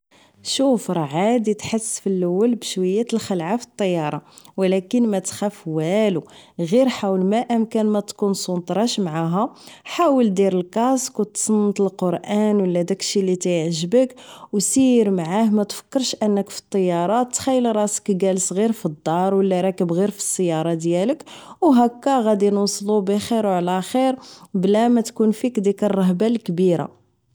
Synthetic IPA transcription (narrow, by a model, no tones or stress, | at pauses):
ʃufɾˤʕad̪it̪ħəsːfilːəwːəlbʃwæjːæt̪əlxəlʕafi̥t̪ˤːɑjːɑɾˤɑwlækənmæt̪xæfwæluɣiɾħawəlmæʔəmkænmæt̪kunsˤunt̪ˤɾˤɑʃmʕaɦæħawəld̪iɾəlkɑskwt̪sˤənːət̪əlqoɾʔænwəlːæd̪ækʃilit̪æjəʕʒəbəkwsiɾmʕahmæt̪fə̥kːəɾˤʃʔənːəkfi̥t̪ˤːɑjːɑɾˤɑt̪ːxæjːəlɾˤɑsə̥kɡælsˤɣiɾfid̪ːɑɾˤwəlːæɾˤɑkəbɣiɾfi̥sːəjːɑɾˤɑd̪jæləkwɦækːæɣæd̪inwɑsˤlubixiɾwʕlæxiɾblæmæt̪kunfikd̪ikərˤːɑɦbalkbiɾa̰